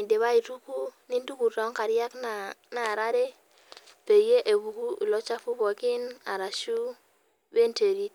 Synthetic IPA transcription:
i˨nde˨βa˦i˨tu˦ku˦ni˦n˦du˦ku˨ɾɔ˦ŋka˨ɾja˦kna˨na˨ɾa˦ɾe˦ | pe˨je˦ʔe˨bu˨ku˦i˨lɔ˦t͡ʃa˦fu˦bɔ˨ki˦na˨ɾa˨ʃu˦ | be˦nte˨ɡi˦t̚

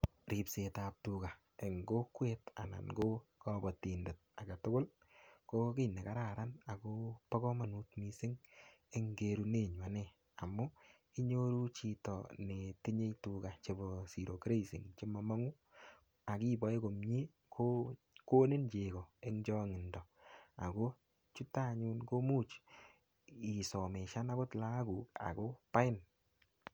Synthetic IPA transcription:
ɾi˨pse˨ta˨p̚tuka˨ | e˨ŋɡo˦kwe˦ta̰˨na̰˨nɡo˦kɔ˦bɔ˨ti˨nde˨t̚a˨ɡa˨tʊ˦kʊ˦l | ko˦kɪ˦ne˨ka˦ɾa˨ɾa˦na˨ko˦pɔ˦kɔ˦ma˨nu˦tmi˦sɪ˦ŋ | e˦ŋɡe˨ɾu˦ne˦˨ɲwa˨ne˦ | a˨mːʊ˦ | i˦ɲo˦ɾu˦t͡ʃi˨tɔ˨ne˨ti˦ɲe˦jtu˨ka˨t͡ʃe˨bɔ˨si˨ɾo˨kɾe˦sḭ˨ŋt͡ʃe˦mɔ˨ma˦ŋu˦ | a˨ki˦bɔ˨˦e˦ko˨mɲi˦ | kʰo | ko˦ne˦nd͡ʒe˨ɡɔ˨e˦ŋd͡ʒɔ˦ŋɪ˨ndɔ˨a̰˨ɡo˦ | t͡ʃu˦ta˦˨ɲu˦nko˦mu˦t͡ʃ | i˨sɔ˨me˨ʃa˦na˦ko˦tla˦ɡu˨ka̰˨ko˦pa˦ɪ˦n

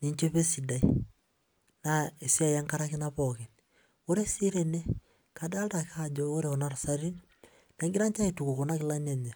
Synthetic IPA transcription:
ni˨˦ɲt͡ʃe˦pe˦si˨da˨i˦ | na˨e˨si˦a˦˨ja˦ŋka˦ɾa˦ke˦na˦pɔke˨n | o˦ɾe˦si˦ɾe˦ne˦ | ka˨da˦lda˨kad͡ʒɔ˦o˦ɾe˨kɔ˨na˦ɾa˨sa˦ɾi˦n | na˨˦ŋɡi˦ɾa˦nt͡ʃa˦e˨tu˨ku˨kɔ˨na˦ki˦la˦na˨ɲa˨

